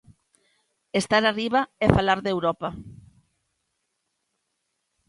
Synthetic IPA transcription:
est̪aɾariβaefalaɾðewɾɔpa

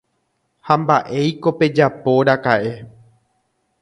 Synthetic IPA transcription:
hambaʔe̞jko̞pe̞d͡ʒapo̞ɾakaʔe̞

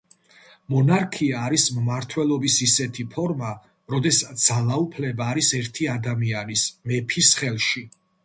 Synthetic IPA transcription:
mɔnaɾkʰiaːɾismmaɾt̪ʰwɛlˠɔbisisɛt̪ʰipʰɔɾma | ɾɔd̪ɛsad̪z̥alˠaupʰlɛbaːɾisɛɾt̪ʰiad̪amianismɛpʰisχɛlˠʃi

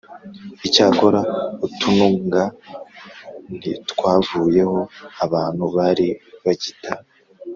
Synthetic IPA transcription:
icaːko̞ɾautunuŋɡa | n̥itkwaːvuːje̞ho̞aβaːn̥huβaɾiβaɟitʰa

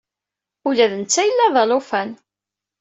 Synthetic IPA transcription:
ulæðənt͡sːæjəlːæðˤɑlofæn

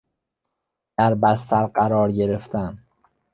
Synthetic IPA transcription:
d̪̥æɾbæst̪æɾɢæɾɒːɾɟeɾeft̪ʰæn

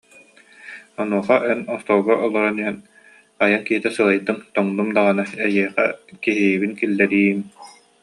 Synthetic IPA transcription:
ɔnuɔχaʔɛnɔst̪ɔlˠɡɔʔɔlˠɔɾɛniɛn | ajaŋkiɦit̪ɛsɯlajt̪ːɯmt̪ɔŋd̪umd̪aʁanaɛjiɛχɛ̰kiɦibinkilːɛɾiːm

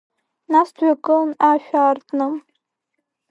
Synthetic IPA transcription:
nastʰɥʷᶣakʼɨlnaʃᶣartʰʼnɨm

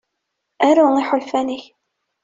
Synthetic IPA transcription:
æɾuiħʊlfæniç

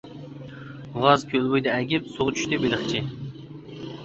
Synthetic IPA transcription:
ʁɑzkʲʰølˠbujd̪ɛɛɡʲɪpsoʁt͡ʃʰy̥ʃt̪ɪbelɪχt͡ʃʰi

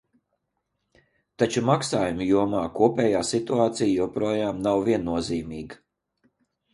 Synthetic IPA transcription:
t̪at͡ʃumaksaːjumjuɔmaːkuɔpʲɛːjaːsit̪uaːt̪sijjupɾuɔjaːmnawviɛnːuɔziːmiːɡ

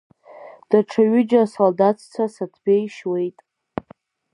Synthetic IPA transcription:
d̥aʈ͡ʂʰaɥɪd͡ʒasoldatʰt͡sʷʰasatʰbʲejʃwe̞jtʼ

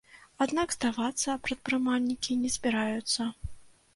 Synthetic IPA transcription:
ad̪naɡzd̪avat̪sːɐpɾɐt̪̚pɾɨmalʲnʲikʲinʲɛzʲbʲiɾajut̪sːɐ

